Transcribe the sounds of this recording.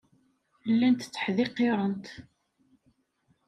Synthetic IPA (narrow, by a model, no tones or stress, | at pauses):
lːænt̪t͡sːə̥ħðɪqːeɾˤənt̪